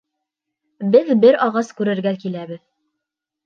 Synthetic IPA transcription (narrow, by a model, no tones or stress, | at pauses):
bɘðbɘɾɑʁɑskʉɾɘ̆ɾɡækilæβɘð